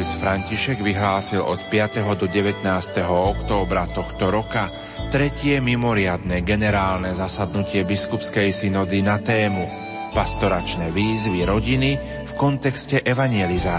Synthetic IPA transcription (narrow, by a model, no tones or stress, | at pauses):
ɛsfɾaɲciʃɛɡʋiɦlaːsilʔɔ̰t̪pɪat̪ɛɦɔd̪ɔɟɛʋɛt̪naːst̪ɛɦɔɔkt̪ɔːbɾat̪ɔxt̪ɔɾɔka | t̪ɾɛcɪɛmimɔɾɪad̪nɛɡɛnɛɾaːlnɛzasad̪nucɪɛbiskupskɛjsinɔd̪inat̪ɛːmu | past̪ɔɾat͡ʃnɛʋiːzʋiɾɔɟini | fkɔnt̪ɛkscɛʔɛʋaɲɪɛlizaː